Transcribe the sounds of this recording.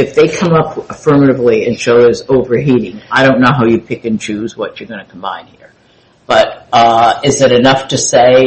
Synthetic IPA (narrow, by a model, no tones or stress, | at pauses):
ɨfðeɪkʰʌ̃mʌpəfɜ˞mɨɾɨvliɨ̃nʃoʊɪzoʊvə˞ɦiɾɪ̃ŋaɪɾõʊ̃nːoʊɦaʊjɨpʰɪkɨ̃nt͡ʃʉzwʌt͡ʃə˞ɡʌ̃ñɨkʰm̩bã̰ɪ̃nd̚hiɹ | b̥ʌɾʌɪzɨɾɨnʌftʰɨseɪ